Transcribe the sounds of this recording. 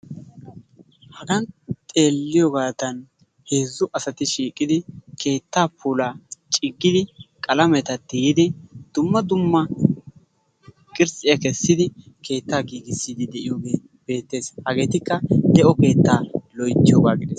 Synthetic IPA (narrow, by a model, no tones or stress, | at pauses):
hɐɡɐnt̪ʼe̞ːlːɪjɔɡaːt̪ɐn | he̞ːzːʊʔɐsɐt̪ɪʃiːkʼːɪd̪ɪkʰe̞ːt̪ːaːpʰuːlaːt͡ʃʼɪɡːɪd̪ɪkʼɐlɐmɛt̪ɐt̪ːɪjɪd̪ɪd̪̥ʊmːɐd̪ʊmːɐ | kʼɪɾsʼɪjɐkɛsːɪd̪ɪ | kʰe̞ːt̪ːaːɡiːɡɪsːɪd̪ɪd̪ɛʔɪjoːɡeː | b̥e̞ːt̪ːe̞ːshɐɡe̞ːt̪ɪkːɐd̪ɛʔɔbe̞ːt̪ːaːlɔjt̪ːɪjɔɡaːɡɪd̪ɛs